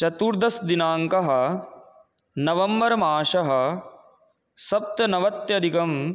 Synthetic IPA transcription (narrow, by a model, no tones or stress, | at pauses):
t͡ʃɐt̪uːɾd̪ʱɐsd̪inaːŋkɐɦɐ̆ | nɐʋɐmbɐɾɐmaːʃɐɦɐ̆ | sɐp̚t̪jɐnɐʋɐt̪jɐd̪ʱikɐm